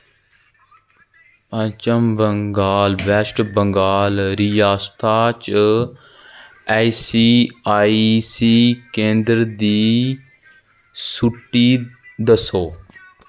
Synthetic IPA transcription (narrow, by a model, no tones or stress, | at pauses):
ət͡ʃəmbəŋɡaːlʋɛsʈbə̃ŋɡaːlɾijaːst̪ʰaːt͡ʃ | aːsiːaːsiːkẽːnd̪ɾd̪iː | sʊʈːiːd̪əsoː